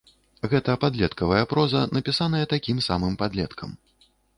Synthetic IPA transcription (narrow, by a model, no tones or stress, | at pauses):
ɣɛt̪ɐjɐpad̪lʲɛt̪kɐvɐjɐpɾɔzɐnɐpʲisanɐjɐt̪akʲimsa̰mɨmpad̪lʲɛt̪kʰɐm